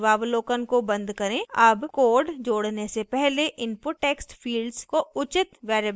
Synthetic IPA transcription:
ʋaːʋloːkənkobɐ̃nd̪kɐɾẽːɐbkoːɾɖd͡ʒoːɽnesepɛɦleʔɪnpoʈeːksʈfʰiːlɖzkoʊt͡ʃɪt̪ʋɛːɾə

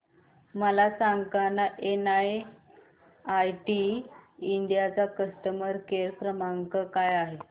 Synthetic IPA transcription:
məlasaŋkanaʔenae | ajʈi | iɳɖjat͡sakəst̪əməɾkeɾpɾəmaŋɡkəkajaɦe

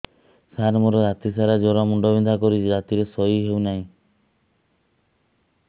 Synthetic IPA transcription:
saɾmɔɾɔd͡ʒat̪isaɾad͡ʒɔɾamuɳɖɔbind̪ʱakɔɾid͡ʒat̪iɾesɔiɦewnaɦĩ

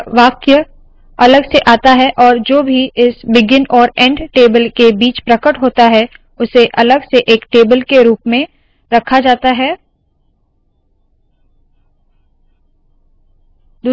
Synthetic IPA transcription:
ʋaːkjə | ɐləɡseʔaːt̪aɦɛʔɔːɾd͡ʒoːbʱiɪsbɪɡɪnɔːɾɛ̃ɳɖʈeːbəlkebiːt͡ʃpɾɐkəʈɦoːt̪aɦɛ | ʊseʔɐləɡseʔeːkʈeːbəlkeɾuːpmẽ | ɾɐkʰad͡ʒaːt̪aɦɛː | d̪

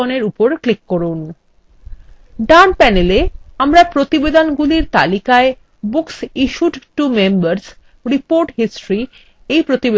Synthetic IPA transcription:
oneɾupoɾklikːoɾun | ɖanpɛneleamɾapɾot̪ibed̪onɡuliɾt̪a̰likae | buksiʃuʈʈumembaɾs | ɾipoɾʈɦisʈɾi | ejpɾot̪ibe

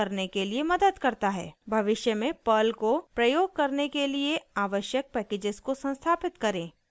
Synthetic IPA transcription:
ɐɾnekeliemɐd̪əd̪kɐɾt̪aɦɛ̰ːbʱɐʋɪʃjəmẽpəlkopɾɐjoːɡ̚kɐɾnekelieaːʋəʃjək̚pɛːkeːd͡ʒɪzkosɐ̃nst̪ʰaːpɪt̪kɐɾẽː

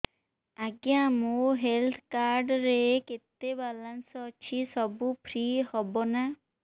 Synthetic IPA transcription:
aɡjãmuɦelt̪ʰkaɾɖɾeket̪ebalansɔt͡ʃʰisɔbupʰɾihɔbɔna

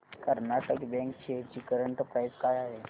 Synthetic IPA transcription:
kəɾnaʈəkbɛ̃ŋkt͡ɕeɾt͡ɕiːkəɾəɳʈəpɾajskajaɦe

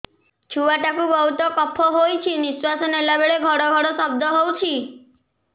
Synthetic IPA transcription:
t͡ʃʰuaʈakubɔɦut̪ɔkɔpʰɔɦojt͡ʃʰiniswasɔnelabeɭeɡʱɔɽɔɡʱɔɽɔsɔbd̪ʱɔɦowt͡ʃʰi

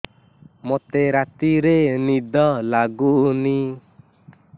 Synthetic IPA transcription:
mɔt̪eɾat̪iɾenid̪ɔlaɡuʔni

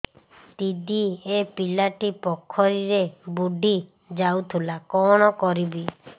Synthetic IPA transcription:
t̪id̪iepilaʈipɔkʰːɔɾiɾebuɖʱi | d͡ʒawt̪ʰulakɔɽ̃ɔkɔɾibi

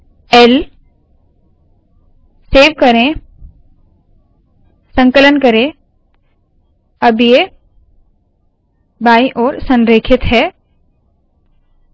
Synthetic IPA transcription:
ɛl | seːʋkəɾẽ | sə̃ŋkələnkəɾẽ | ɐbje | baːiʔɔːɾsə̃nɾeːkʰɪt̪ɦɛː

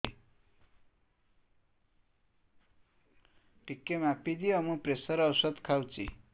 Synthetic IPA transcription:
ʈikːemapid̪iʌmupresʌɾʌwsʌd̪kʰawt͡sḭ

